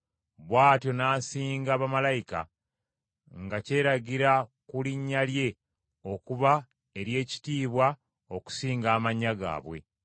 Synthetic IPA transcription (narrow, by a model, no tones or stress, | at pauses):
βwaːtjo̞naːsiːŋɡaːβamalajika̰ | ŋɡace̞ːɾaɡiɾakuliɲːalje̞ | o̞kuβa | e̞ɾje̞ːci̥tiːβwa | o̞ku̥siːŋɡaːmaɲːaɡa̰ːβwe̞̰